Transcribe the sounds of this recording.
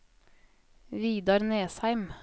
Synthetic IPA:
ʋiːd̪ɑɾneːshæɪm

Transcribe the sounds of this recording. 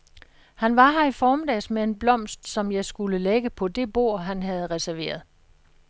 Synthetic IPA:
hænʋɑ̈ɦæɐifɒːmed̥ɛːsmee̝nblɒ̽m̰sd̥sɒ̽mjɑ̈ɪsɡ̥uləleɡ̥əpʰɒ̽d̥e̝b̥o̝̰ɐ̰ɦænɦæð̞̩ˠʁɛsæɐʋe̝̰ːɐð̞̩ˠ

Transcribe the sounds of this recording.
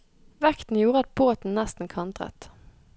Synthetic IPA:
ʋɛkt̪n̩juːʁəɑt̪̚boːt̪n̩nɛst̪n̩kʰɑnt̪ʰʁɛ̰t̪

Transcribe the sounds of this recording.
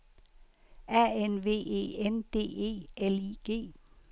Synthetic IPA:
æenʋe̝̰ːe̝̰ːend̥e̝̰ːe̝̰ːeliɡ̥e̝̰ː

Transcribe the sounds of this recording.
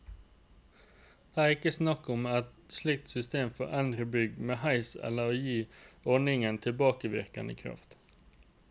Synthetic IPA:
d̪̥eːæʁɪkəsnɑkʊmɛt̪ʃlɪk̚t̪sʏst̪eːmfɔ̰ʔɛnd̪ɾəbʏɡmeːhɑɪsɛ̰ləɾoːjiːɔnɪŋənt̪ʰɪlbɑːkəʋɪ̰ʁkə̰nə̰kʰʁɑ̰ft̪

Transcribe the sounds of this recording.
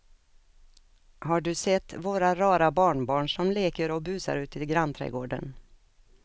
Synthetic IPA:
haɖɵsɛt̪ːvoːɾaɾɑːɾabɑːɳbɑːɳʂɔmleːkəɾɔbʉ̟ːsa̰ɾʉ̟ːt̪ʰɪlɡɾant̪ʰɾɛ̰ɡoːɖə̰n

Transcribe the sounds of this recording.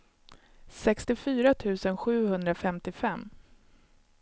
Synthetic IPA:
sɛkst̪ɪfyːɾat̪ʰʉ̟ːsənɧʉ̟ːhɵnd̪ɾafɛmt̪ɪfɛmː

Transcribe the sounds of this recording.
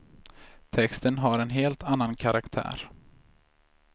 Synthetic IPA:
t̪ʰɛkst̪ənɦaɾɛnɦeːlt̪ʰanːankʰaɾʔakt̪ʰæ̰ːɾ

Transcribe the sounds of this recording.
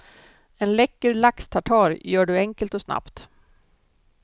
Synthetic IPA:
ɛnlɛkːəɾlakst̪ʰaʈʰɑːɾjœːɖɵɛŋkəlt̪ɔsna̰pt̪

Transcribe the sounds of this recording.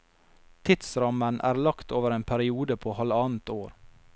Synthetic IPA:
t̪ʰɪt̪sɾɑmənʔæ̰ːɾlɑkt̪oːʋəɾeːnpʰæɾɪuːd̪əpʰoːhɑlɑːnt̪oːɾ

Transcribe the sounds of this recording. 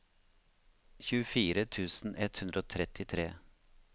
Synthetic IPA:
çʉːəfiːɾət̪ʰʉːsn̩ʔɛt̪hʉnd̪ɾəoːt̪ʰɾɛt̪ɪt̪ʰɾeː

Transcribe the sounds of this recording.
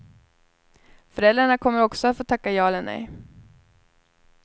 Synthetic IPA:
fœɾɛld̪ɾaɳakʰɔmːəɾɔksɔat̪foːt̪ʰakːajɑːlɛnɛ̰j

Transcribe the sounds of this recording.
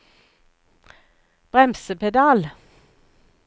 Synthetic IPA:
b̥ʁɛmsəpʰɛd̪ɑːl

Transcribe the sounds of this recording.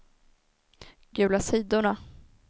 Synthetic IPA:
ɡ̥ʉ̟ːlasiːd̪ʊɳa

